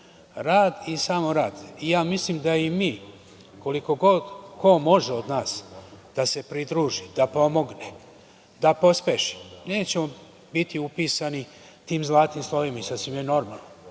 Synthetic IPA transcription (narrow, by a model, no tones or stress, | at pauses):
ɾaːd̪isaːmoɾaːd̪ijaːmislimd̪aimiː | ko̞liko̞ɡo̞d̪ko̞mo̞ʒeod̪naːsd̪̥ase̞pɾid̪ɾuːʒid̪̥apo̞mo̞ɡne | d̪apo̞spe̞ʃi̥ne̞ːt͡ɕe̞mo̞ | bit̪iupiːsani | t̪iːmzlˠaːt̪imslˠo̞ʋimaisad̪simjeno̞ɾma̰ːlˠna